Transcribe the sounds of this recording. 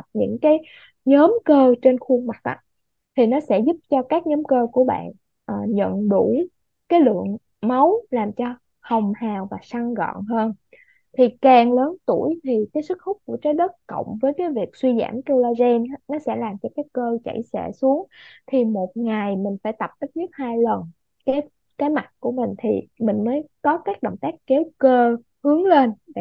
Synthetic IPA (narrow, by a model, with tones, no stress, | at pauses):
p̚ɲɨ̰˧˥ŋkaː˨˦j | ɲəː˨˦mkəː˧t͡ɕe˧nxu˧əŋma˨˩k̚ʔa̰˧˥ | t̪ʰi˨˩nɔ˨˦sɛ̰˧˥zu˦˥p̚t͡ɕɔ˧kaː˦˥k̚ɲɔː˨˦mkəː˧ku˧˩əɓa̰ː˧˨n | ʔəː˨˩ɲə̰˧˨nɗu˧˩ | kaː˨˦jlɨ̰˧˨əŋ | ma˨˦wlaː˨˩mt͡ɕɔ˧ | hə˨˩wŋ͡mhaː˨˩wvaː˨˩sa˧ŋɣɔ̰˧˨nɦəː˧n | t̪ʰi˨˩kaː˨˩ŋləː˨˦nt̪u˧˩əjt̪ʰi˨˩kaː˨˦jsɨ˦˥k̚xʊ˦˥k͡p̚ku˧˩ət͡ɕəː˨˦jɗə˦˥t̚kə̰˧˨wŋ͡mvəː˨˦jkaː˨˦jvi˨˩ək̚swi˧za̰ː˧˩mt̪ə˧laː˧zɛ˧n˦nɔ˨˦sɛ̰˧˥laː˨˩mt͡ɕɔ˧kaː˦˥kkəː˧t͡ɕə̰˧˩jsɛ̰˧˩su˨˦əŋt̪ʰi˨˩mo˨˩t̚ŋa˨˩jmï˨˩ŋ̟faː˧˩jt̪ə˨˩p̚t̪ə˦˥k̚zɨ˦˥t̚haː˧jlə˨˩n | kaː˨˦j | kaː˨˦jma˨˩t̚ku˧˩əmï˨˩ŋ̟t̪ʰi˨˩mï˨˩ŋ̟məː˨˦jkɔ˨˦kaː˦˥k̚ɗə̰˧˨wŋ͡mt̪aː˦˥k̚ːe˨˦wkəː˧ | hɨ˨˦əŋle˧n˧˨